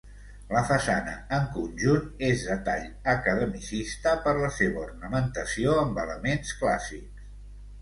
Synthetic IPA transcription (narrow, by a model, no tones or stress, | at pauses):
ləfəsanə̰əŋkunʲʒunezðət̪aʎ | əkəðəmisist̪əpəɾləseβəurnəmənt̪əsioəmbələmenskla̰siks